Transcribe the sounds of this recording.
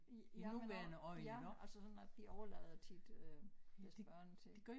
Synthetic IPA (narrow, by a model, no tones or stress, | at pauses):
inuʋæɐnəʔɒ̽ɪ̰nənʔælsəsɒ̽næd̥d̥iʔɒʊɐlɛ̰ːð̩ˠt͡sʰid̥øsdeb̥ɶɐnət͡sʰe̝d̥e̝ɡ̥ɶ